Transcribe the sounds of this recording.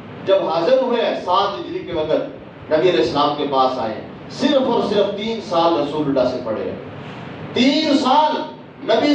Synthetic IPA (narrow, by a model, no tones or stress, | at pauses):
d͡ʒɐbɦɐzəɾɦʊesaːt̪ɪd͡ʒɾikeʋɐkʰət̪̚ | nɐbiɐlɛːɪslaːmkepaːsa̰ːɦḛ̃ː | sɪɾfɔɾsɪɾəft̪iːnsaːlɾɐsuːlɖaːsipɐɽḛ | t̪iːnsaːl | nɐbi